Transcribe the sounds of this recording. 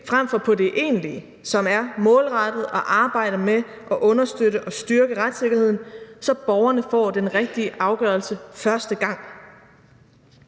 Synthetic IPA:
fʁamfɒpʰɒ̽de̝ʔe̝̰ːnliə | sɒ̽mæɐmɔ̽ːlʁɑd̥ð̞̩ˠɒ̽ʔɑ̈ːb̥ɑ̈ɪ̰ɾ̥ɐme | ʔɒ̽ʔɔ̽nɐsd̥øɾəʔɒ̽sd̥yɐɡ̥əʁad̥se̝ɡ̥ɐhe̝ð̰ˠn̩sɒ̽b̥ɒʊɐnəfɒ̰ːd̥enʁɛɡ̥̚d̥iəʔɑ̈ʊɡ̥œːɐlsəfɶɐsd̥əɡ̥ɑ̈ŋ̰

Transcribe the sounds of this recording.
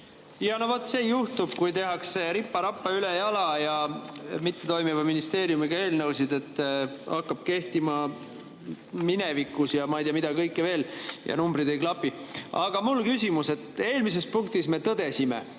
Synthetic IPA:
jɑnovɑt̪se̞ːjuht̪ub̥̚kujt̪e̞ɦɑkse̞ɾipːɑɾɑpːˑɑylejɑlɑjɑmit̪ːe̞t̪o̞jmivɑminist̪e̞ːɾjumiɡ̥ɑe̞ːlnɤwsid̪e̞t̪ːˑɑkːɑb̥̚ke̞ht̪imɑ | minevikːˑusjɑmɑijt̪iɑmid̪ɑkɤjkˑːeve̞ːljɑ̰numbrid̪e̞jklɑpːˑiɑɡ̥ɑmulkysʲimuse̞t̪ːˑe̞ːlmis̬e̞spuŋk̚t̪isme̞t̪ɤd̪̥e̞sime̞̰

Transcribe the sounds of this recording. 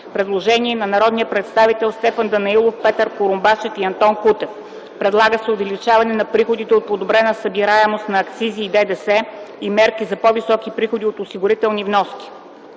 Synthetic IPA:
pɾɛd̪lˠoʒɛniɛnɐnɐɾɔd̪nijəpɾɛt̪st̪avit̪ɛlˠst̪ɛfənd̪ɐnɐilˠofpɛt̪əɾkoɾʊmbaʃɛt̪iɐnt̪ɔnkut̪ɛf | pɾɛd̪lˠaɡəsɛovɛlit͡ʃavɐnɛnɐpɾixod̪it̪ɛot̪̚pod̪obɾɛnəsɐbiɾaɛmost̪nɐːkt̪siziːd̪ɛd̪ɛsɛ | imɛɾkizɐpɔvisɔkipɾixod̪iot̪ʊsiɡʊɾit̪ɛlˠnivnɔskʲi̥

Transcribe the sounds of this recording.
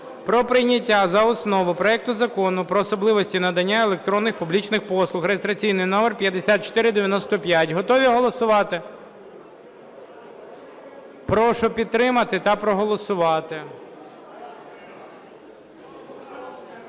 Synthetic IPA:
pɾɔpɾɪjnʲɐtʲːazɐɔsnɔʋʊpɾɔɛk̚t̪ʊzɐkɔnʊpɾɔːsɔblˠɪʋɔsʲtʲinɐd̪ɐnʲːaelˠek̚t̪ɾɔnːɪxpublʲit͡ʃnɪxpɔslˠʊxɾejest̪ɾɐt͡sʲijnɪjnɔmɛrpʲjɐd̪esʲat̪̚t͡ʃɔ̥t̪ɪɾɪd̪eʋʲjɐnɔst̪ɔpʲjatʲɦɔt̪ɔʋʲiɦɔlˠɔsʊʋɑt̪ɪ | pɾɔʃʊpʲid̪̚t̪ːɾɪmɐt̪ɪt̪ɐpɾɔɦɔlˠɔsʊʋɑt̪ɪ

